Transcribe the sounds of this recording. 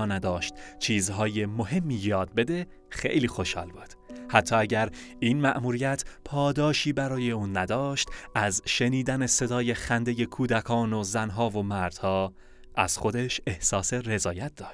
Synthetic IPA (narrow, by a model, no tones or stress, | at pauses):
næd̪ɒːʃt̪̚t͡ʃʰiːzɦɒːjemo̞ɦe̞mːiːjɒːd̪̚be̞d̪e̞ | xe̞̰jliːxo̞ʃhɒ̰ːlbud̪̥hæt̪ʰːɒːæɟæɾiːnmæʔmuːɾijæt̪ʰpʰɒːd̪ɒːʃiːbæɾɒːje̞uːnːæd̪ɒːʃt̪æzʃe̞niːd̪æne̞se̞d̪ɒːje̞xænd̪e̞je̞kʰuːd̪ækʰɒːnozænɦɒːvo̞mæɾd̪̥hɒː | ʔæ̰z̥xo̞d̪e̞ʃe̞hsɒːse̞ɾe̞zɒːjæt̪̚d̪ɒːʃt̪̚